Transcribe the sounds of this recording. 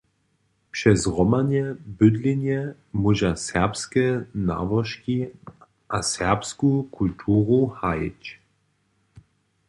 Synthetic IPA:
pʃɛzʁɔmanjɛbødlinjɛ | muʒasɛʁpskɛna̰vəʃki | ʔasɛʁpskukʰultʰuːʁuhajɪ̰t͡ɕ

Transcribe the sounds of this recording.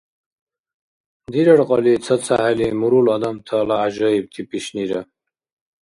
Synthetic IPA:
d̪iɾɐɽqɔlit͡sʰɐt͡sʰa̰ɦalimuɾulɔd̪amt̪ʰəlaːʑɔib̚t̪ʰipiɕniɾə

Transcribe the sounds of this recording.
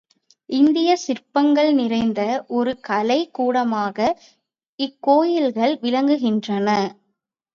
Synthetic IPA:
ɪnd̪ɪjɐsɪrpɐŋɡɐɭnɪrɐɪnd̪ɐʔɔɾɯkɐlɐɪkːuːɽɐmaːɣɐ | ɪkːoːjɪlɣɐɭʋɪlɐŋɡɯɣɪndrɐnɐ

